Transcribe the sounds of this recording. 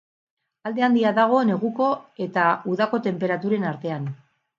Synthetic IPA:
ald̪e̞and̪iaðaɣ̞o̞ne̞ɣuko̞e̞t̪auðako̞t̪e̞mpe̞ɾat̪uɾe̞naɾt̪e̞an

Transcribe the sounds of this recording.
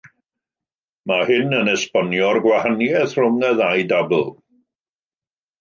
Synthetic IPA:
mahɪnənɛspɔnjɔrɡwahanjɛθrʊmnɛðajdabl̩ˠ

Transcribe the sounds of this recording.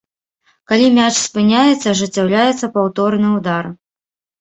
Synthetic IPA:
kalʲimʲat͡ʂspɨnʲajɛt̪sːɐʐɨt͡sʲːawlʲajɛt̪sːɐpawt̪ɔrnɨwd̪ar

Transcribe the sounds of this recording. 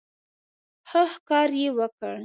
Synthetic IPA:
haxkɑɾjewəkəɽ

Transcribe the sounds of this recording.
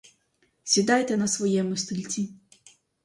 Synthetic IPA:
sʲid̪ajt̪ɛnɐsvɔjɛmʊsʲt̪ɨlʲt͡sʲi

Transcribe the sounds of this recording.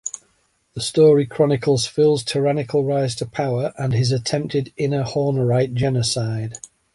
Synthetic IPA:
ðəstɔːɹikʰɹ̥ɒnɪkʰəlˠz̥fɪlˠz̥tʰəɹanɪkʰəlˠɹaɪz̥tʰəpʰaʊəɹʔə̃nɪzətʰɛ̃mp̚tɪdɪ̃nəhɔːnəɹaɪʔ̚d̥ʒ̥ɛnəsaɪd̥

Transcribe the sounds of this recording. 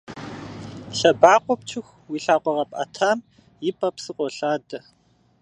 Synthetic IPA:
ɬɐbaːqʷɔp̚t͡ʃʰɪxʷ | wiːɬaːqʷɔʁɐpʼɐ̰tʰaːm | jɪpʰʼɐpsɨqʷɔɬaːdɐ

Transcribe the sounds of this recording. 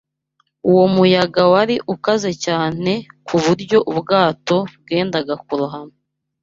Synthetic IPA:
uwo̞mujaɡawaɾiʔukaze̞caːn̥e̞kʰuβuɾɟo̞ʔubɡaːto̞bɡe̞ːndaɡakuɾuɦano

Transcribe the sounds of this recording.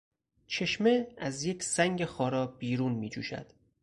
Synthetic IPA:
t͡ʃʰe̞ʃme̞æzjecʰsæŋɟexɒːɾɒːbiːɾuːnmiːd͡ʒṵːʃæ̰d̪̥

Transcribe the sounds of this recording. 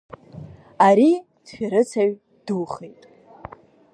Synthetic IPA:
aɾi | d̥ħᶣaɾɨt͡sʰaɥ | d̥uχejtʼ

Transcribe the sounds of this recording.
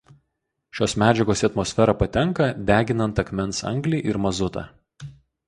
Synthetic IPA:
ʃʲoːsmʲæːd͡ʒʲɛɡoːsʲɐt̪mɔsʲfʲɛɾɐpɐt̪ʲɛŋkɐd̪ʲæːɡʲɪnɐnt̪ɐkmʲɛnˑsɐ̰ŋɡlʲiːʔɪɾmɐzʊt̪ɑ̰

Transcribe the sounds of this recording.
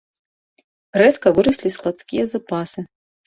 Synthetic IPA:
rɛskɐvɨɾɨsʲlʲisklˠɐt̪skʲijɛzapʰaːsɨ

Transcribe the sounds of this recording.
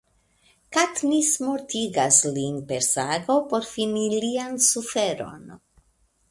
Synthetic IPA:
katnismoɾtiɡaslinpe̞ɾsaɡo̞po̞ɾfiniliansufe̞ɾo̞̰n

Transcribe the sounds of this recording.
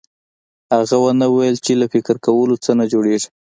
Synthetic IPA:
haɣawanawajəlt͡ʃelafɪkɪɾkawəlot͡sənad͡ʒoɽeʐi

